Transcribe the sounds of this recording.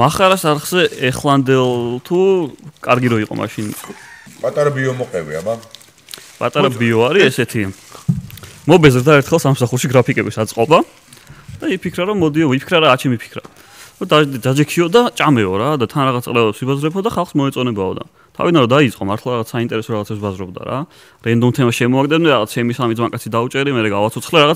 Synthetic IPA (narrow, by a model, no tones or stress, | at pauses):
maχaɾasaɾχz̥ɛɛχlˠand̪ɛlˠt̪ʰukʼaɾɡiɾɔiqʼɔ̰mʔa̰ʃinpʼat̪ʼaɾabiɔmɔqʼɛvḭa̰ba | pʼat̪ʼaɾabiɔaɾiɛsɛt̪ʰi | mɔbɛzɾd̪aɛɾt̪χɛlˠsamsaχuɾʃiɡɾapʰikʼɛbisat̪sʼqʼɔba | d̪̥aipʰikʰɾaɾɔmːɔd̪iɔipʰi̥kʰɾaɾaːt͡ʃʰɛmipʰi̥kʰɾa̰ | ɔd̪ad̪ad͡ʒɛkʰiɔd̪at͡ʃʼamɛɔɾad̪at̪ʰanɾaʁat̪sʼlɛɔlɛpsibazɾɛpʰɔd̪aχalˠχsmɔɛt̪sʼɔnɛbaɔ̰d̪a̰ | t̪ʰa̰vid̪anɾɔd̪ait̪sʼqʼɔmaɾt̪ʰlˠaɾaʁat̪sʰsaint̪ʼɛɾɛsɔɾaʁt̪sʰɛpsbazɾɔbd̪a̰ɾa̰ | ɾɛnd̪ɔmt̪ʰɛmasʃɛmɔaɡʼd̪ɛnmd̪ɛɾaʁat̪sʰt͡ʃʰɛmisamid̪zmakʼat̪sʰid̪aut͡ʃʼɛɾimɛɾɛɡavat̪sʰɔt̪sʰχlɛɾaʁat̪